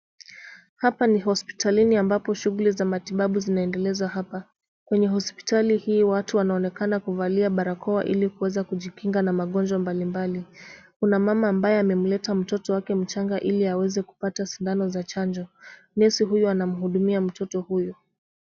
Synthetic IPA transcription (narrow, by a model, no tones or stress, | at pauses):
hapaniɦɔspi̥taliniambapɔʃuɣulizamatiɓaɓuzinaɛndɛlɛzwaɦapa | kwɛɲɛɦɔspi̥talihiːwatuwanaɔnɛkanakuvaliaɓaɾakʰɔwaʔilikuwɛzakuʄikiŋɡanamaɠɔnd͡ʒwambalimbalikunamamaːmbajɛamɛm̩lɛtam̩tɔtɔwakɛm̩t͡ʃaŋɡaʔiliawɛzɛku̥patasindanɔzat͡ʃand͡ʒɔ | nɛsiɦujuanam̩ɦuɗumiam̩tʰɔtɔhujɔ